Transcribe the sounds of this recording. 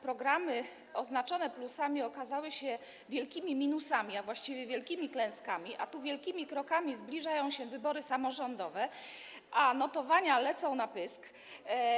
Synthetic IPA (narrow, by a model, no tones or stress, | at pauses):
pɾɔɡɾamɘ | ɔznat͡ʂɔnɛplusamʲiɔkazawɘɕɛ | vʲjɛlkʲimʲimʲinusamʲiavwaɕt͡ɕivʲjɛvʲjɛlkʲimʲiklɛ̃w̃skamʲiʔa̰t̪uvʲjɛlkʲimʲikɾɔkamʲizblʲiʐajɔ̃w̃ɕɛvɘbɔɾɘsamɔʐɔnd̪ɔvɛ | ʔanɔt̪ɔvaɲalɛt̪sɔ̃w̃napɘsk